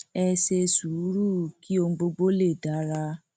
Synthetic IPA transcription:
ɛ˧se˧su˨˦ɾu˦˨ki˦o˧ŋ̩˧ɡ͡bo˧ɡ͡bo˦le˦˨da˨˦ɾa˧˦

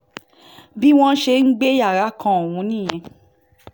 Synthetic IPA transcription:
bi˦w̃ɔ̃˦ʃe˧ŋ̩˦ɡ͡be˦ja˦˨ɾa˨˦kʰã˧o˨w̃ũ˨˦nĩ˦˨j̃ɛ̃˧

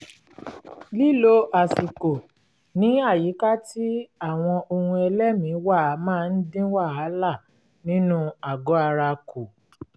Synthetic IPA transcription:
li˦lo˧ʔa˨si˨ko˨ | nĩ˦a˦˨ji˨˦ka˦ti˦a˦˨w̃ɔ̃˧ʔo˧hũ˧ɛ˧lɛ˦mĩ˨˦wa˦˨˦mãː˦˧n̩˦dĩ˦wa˦˨a˨˦la˦˨ | nĩ˦nũ˦a˨ɡɔ˨˦a˧ɾa˧ko˨

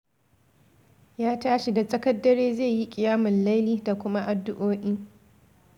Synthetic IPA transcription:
jaː˦taː˦ʃi˨da˨sʼɐ˦kɐ˦dːɐ˦ɽeː˦zeː˦˨ji˦kʲʼɪ˨jaː˦mɪ˨nla˦jliː˦da˨kʷʊ˦ma˦ʔa˨dːʊ˦ʔoː˦ʔʲiː˦

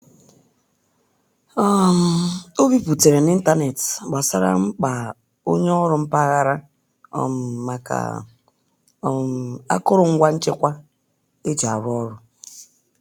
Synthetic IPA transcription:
ɔ˦m̩˨o˦bi˦pu˨te˨ɾe˨n˦i˦n̩˦ta˦ne˨tɡ͡ba˨sa̰˦ɾa̰˦ŋ͡m̩˦k͡pa˨ | o˦ɲ˦ɔ˦ɾʊ˦m̩˦pa˦ɣa˦ɾa˦ | ɔ̰˦m˨ma˨ka̰˨˦˨ | a̰˦kʊ˦ɾʊ˨ŋ̩˦ɡʷa˦n̩˦t͡ʃɪ˦kʷa˦ | e˦d͡ʒa˨ɾʊ˦ɔ˦ɾʊ˦

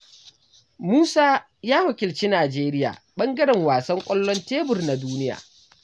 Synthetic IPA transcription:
muː˦saː˦ | jaː˦wɐ˨kʲɪ˨lt͡ʃiː˦naː˨d͡ʒeː˦ɾɪ˦ja̰ː˨ɓɐ˦ŋɡɐ˦ɽɛ˨ŋwaː˨sɐ˦ŋkʷʼɐ˦lːɔ˦nteː˦bʊ˨rna˨duː˦nɪ˦ja̰ː˨

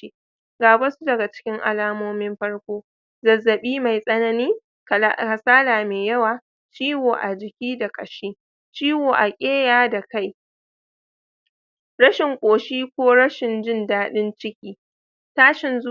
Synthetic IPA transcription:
i˦ | ɡaː˨bɐ˦su˦dɐ˨ɡa˨t͡ʃɪ̥˦kʲɪ˦ŋʔa̰˨laː˦moː˦mɪ˦mɸɐ˦ɽkʷoː˦ | zɐ˨zːɐ˨ɓiː˦ma˨jsʼɐ˦nɐ˦niː˦˨ | ka˨saː˦laː˨meː˨jɐ˦waː˨ | t͡ʃiː˦woː˨ʔa˨d͡ʒɪ˨kʲiː˦da˨kʼɐ˨ʃiː˦ | t͡ʃiː˦woː˨ʔa˨kʲʼeː˦jaː˦da˨ka˦˨j | ɽɐ˦ʃɪ˨ŋkʷʼoː˨ʃiː˦kʷoː˦ɽɐ˦ʃɪ˨nd͡ʒɪ˦ndaː˦ɗɪ˦nt͡ʃɪ˦kʲiː˦ | taː˦ʃɪ˨nz

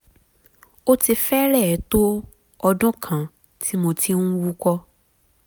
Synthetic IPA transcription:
o˦ti˧fɛ˦ɾɛ˦˨˦to˦ | ɔ˧dɔ̃˦kʰã˨ | tʰi˨˦mo˧ti˧nũ˦wu˦kɔ˦

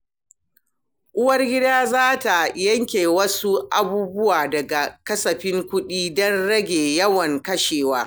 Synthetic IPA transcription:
ʔʊ˦wɐ˦rɡʲɪ˦daː˦zaː˦ta˨jɐ˦ŋkʲeː˨wɐ˦su˦ʔa˦buː˦bʊ˦waː˨dɐ˨ɡa˨kɐ˦sɐ˨ɸɪ˦ŋkʷʊ˦ɗiː˦dɔ˦nɽɐ˦ɡʲeː˨jɐ˦wɐ˨ŋkɐ˦ʃeː˨waː˦

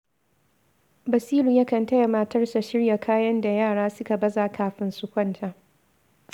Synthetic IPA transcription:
bɐ˨siː˦lu˨jɐ˦kɐ˨ntɐ˦jɐ˨maː˨tɐ˦rsa˨ʃɪ˦rja˨kʰaː˦jɐ˦nda˨jaː˦˨ɽaː˦sʊ˦ka˨bɐ˦zaː˨kʰaː˨ɸɪ˦nsʊ˦kʷɔ˦ntʰa˨ʔ

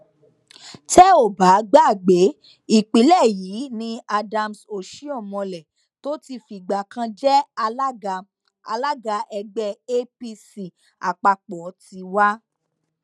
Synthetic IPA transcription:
tɛ˦o˦˨ba˨˦ɡ͡ba˦˨ɡ͡be˨˦ | i˨k͡pi˨˦lɛ˦˨ji˨˦nĩ˧a˧da˧mso˨ʃi˦ɔ˦˨mɔ̃˧lɛ˨ | to˦ti˧fi˨ɡ͡ba˨kã˧d͡ʒɛ˦˧˦ | a̰˧la˦ɡa˧ʔɛ˧ɡ͡bɛ˧e˦pi˧si˨ | a˨k͡pa˧k͡pɔ˨˦ti˧wa˦

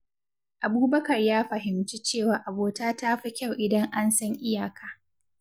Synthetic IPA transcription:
ʔa˨buː˦bɐ˦kɐ˨rjaː˦ɸɐ˨ɦɪ˨mt͡ʃi˦t͡ʃeː˦˨waː˨˦ʔa˨boː˨taː˦taː˦ɸi˦kʲa˦˨wʔɪ˨dɐ˦ŋʔa˦nsɐ˦ŋʔɪ˦jaː˨kaː˨

